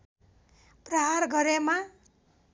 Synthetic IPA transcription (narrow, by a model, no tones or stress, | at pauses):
prʌɦarɡʌɾema